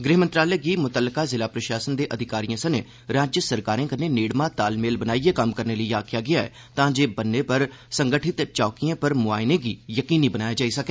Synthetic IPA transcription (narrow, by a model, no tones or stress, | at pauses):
ɡɾɪɦmənt̪ɾaːləɡiːmʊt̪əlːkaːzɪlaːpɾəʃaːsənd̪eːʔəd̪ʱɪkaːɾijãːsəneː | ɾaːd͡ʒjəsəɾkaːɾẽːkəneːneːɽmãːt̪aːlmeːlbənaːieːkəmkəɾneːləijaːkʰɪjaːɡɪjaːɛ̰ː | t̪ãːd͡ʒeːbənːeːpəɾ | səŋɡəʈʰɪt̪t͡ʃɔːkijãːpəɾmʊaːjnẽːɡiːjəkiːniːbənaːjaːd͡ʒaːisəkeː